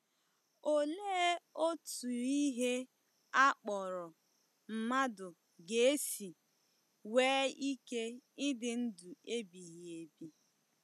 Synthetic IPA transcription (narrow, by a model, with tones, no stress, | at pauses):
o˦leː˦o˦tu˨i˦ɦe˦ | a˦k͡pɔ˨ɾʊ˨ | m̩˨ma˦dʊ˨ | ɡe˨e˦si˨ | weː˦i˦ke˦ɪ˦dɪ˦n̩˦du˨e˦bi˨ɣi˨e˨bi˦